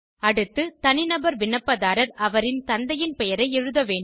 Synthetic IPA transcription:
ɐɽɯt̪ːɯt̪ɐnɪnɐbɐɾʋɪnːɐpːɐðaːɾɐɾɐʋɐɾɪnt̪ɐnd̪ɐjɪnpɛjɐɾɐɪɛɻɯðɐʋeːɳ

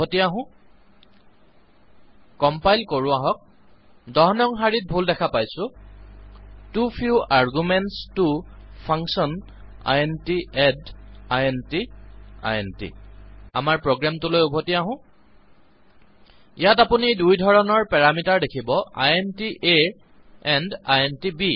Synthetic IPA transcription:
otiaɦʊ̃ | kɔmpajlkoɹʊaɦɔk̚ | dɔɦɔnɔŋxaɹit̚bʱuldɛkʰapajsʊ̃ | tupʰjuaɹɡumɛntstupʰaŋsɔn | a̰jɛntiɛdajɛntia̰jentḭa̰maɹpɹoɡɹamtulojubʱotiaɦʊ̃ | ijatapunidujdʱɔɹɔnɔɹpɛɹamitaɹdekʰibɔa̰jɛntiʔe | ɛndajɛntibi

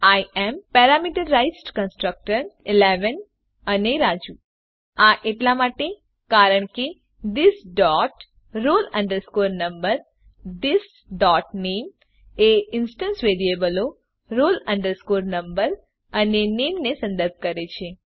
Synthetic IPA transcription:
ajɛmpɛɾamiʈəɾːajsʈkə̃nsʈɾək̚ʈəɾileʋən | əneɾad͡ʒu | aʔeʈlamaʈe | kaɾəɳ̃ke | d̪ɪsɖɔʈ | ɾolə̃ɳɖəɾskoɾnəmbəɾ | d̪ɪs | ɖɔʈnem | eɪnsʈənsʋeɾiebəlo | ɾoləɳɖəɾskoɾnəmbəɾ | ənenemnesə̃nd̪əɾb̚kəɾet͡ʃʰe

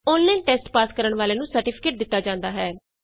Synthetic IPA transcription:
oːnlɛ̃ːnʈɛːsʈpaːskəɾəɳʋaːleːnũːsəɾʈipʰɪ̥keːʈ̚d̪ɪt̪ːaːd͡ʒãːnd̪aːɦɛː

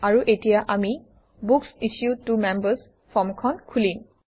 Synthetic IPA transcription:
aɹuʔetijaʔami | buksisjutːumɛmbəs | fʰɔmkʰɔnkʰulin

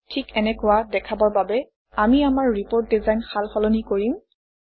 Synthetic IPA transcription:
tʰikɛnɛkʊwadɛkʰabɔɹbabɛ | amiamaɹːipoɹt̚dizajnxalxɔlɔnikoɹim

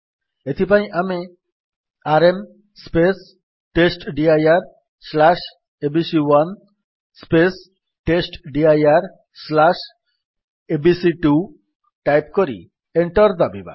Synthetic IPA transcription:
et̪ʰipaj̃ʔame | aɾem | spes | ʈesʈɖiajaɾ | slaʃ | ebisiwan | spes | ʈesʈɖiajaɾ | slaʃ | ebisiʈu | ʈajpkoɾḭ | eɳʈɔɾd̪abiba̰

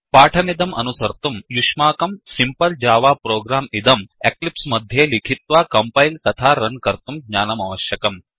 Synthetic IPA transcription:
paːʈʰɐmid̪ɐmɐ̰nusɐɾt̪umjuʃmaːkɐmsimpɐld͡ʒaːʋaːpɾoːɡɾaːmid̪ɐmeklipsmɐd̪ʱjeːlikʰit̪ʋaːkɐmpɐjlt̪ɐt̪ʰaːɾɐnkɐɾt̪umɡɲaːnɐmɐʋɐʃjɐkɐm

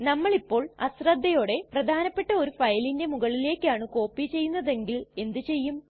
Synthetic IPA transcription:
nɐmːɐɭipːo̞ːɭɐ̰srɐd̪ʱːɐjo̞ːɽe̞prɐd̪ʱaːnɐpːe̞ʈːɐo̞ɾufɐjlinde̞muɣɐɭile̞ːkʲːaːɳɨko̞ːpːit͡ɕe̞jːunːɐðe̞ŋɡile̞nd̪ɨt͡ɕe̞jːum

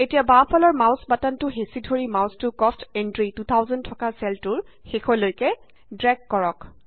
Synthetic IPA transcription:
etijabãpʰɔlɔɹmawsbatantʊɦesidʱoɹimawstʊkɔstendɹitut̪ʰawzɔntʰɔkasɛltʊɹ | xexʰɔlojkɛ | dɹɛɡkɔɹɔk

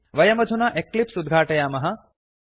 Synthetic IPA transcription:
ʋɐjɐmɐd͡ʒ̪ʱunaːʔeklipsud̪ɡʱaːʈɐjaːmɐɦɐ̆

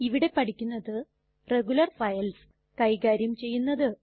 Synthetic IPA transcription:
iʋiɽe̞pɐʈʰikʲːunːɐðɨ | re̞ɡulɐrfɐjɐls | kɐjɡaːɾjɐmt͡ɕe̞jːunːɐðɨ

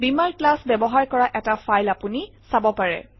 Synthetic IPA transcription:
bimaɹklasbɛbɔɦaɹkɔɹaʔɛtafʰajlapuni | sabɔpaɹɛ̰

